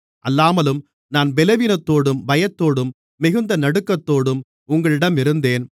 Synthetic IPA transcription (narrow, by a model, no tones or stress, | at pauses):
ʔɐlːaːmɐlɯm | naːnbɛlɐʋiːnɐt̪ːoːɽɯmʋɐjɐt̪ːoːɽɯmː | ɪɣɯnd̪ɐnɐɽɯkːɐt̪ːoːɽɯm | ʊŋɡɐɭɪɽɐmɪɾɯnd̪eːn